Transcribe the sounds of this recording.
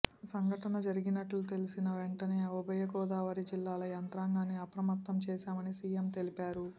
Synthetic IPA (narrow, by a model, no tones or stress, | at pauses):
sɐŋɡʱɐʈɐnɐd͡ʒɐɾiɡinɐʈlut̪e̞lisinɐʋe̞ɳʈɐne̞ːɔbɐjɐkɔːd̪aːʋɐɾid͡ʒilːaːlɐjɐnt̪ɾaːŋɡaːniɐpɾɐmɐt̪ːɐmt͡ʃɛːʃaːmɐnisijemt̪e̞lipaːɾu